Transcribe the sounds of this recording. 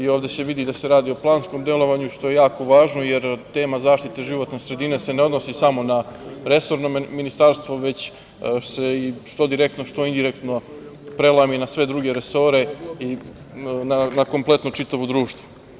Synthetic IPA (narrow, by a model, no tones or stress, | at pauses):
ioːvd̪e̞se̞ʋid̪id̪aseɾaːd̪io̞plˠaːnsko̞md̪e̞lo̞ʋaɲuʃt̪o̞je̞jaːko̞ʋaːʒnoje̞ɾt̪e̞ːmazaːʃt̪it̪eʒiʋo̞t̪nesɾe̞d̪ine̞se̞ne̞o̞d̪nosisamo̞naɾe̞so̞ɾnominist̪aɾst̪ʋo̞ʋe̞t͡ɕ | se̞iʃt̪o̞d̪iɾek̚t̪noʃt̪o̞ind̪iɾekt̪no̞pɾe̞lˠaminasʋe̞d̪ɾuɡe̞ɾeso̞ɾe̞i | nanako̞mplˠe̞t̪not͡ʂit̪aʋod̪ɾuːʃt̪ʋo̥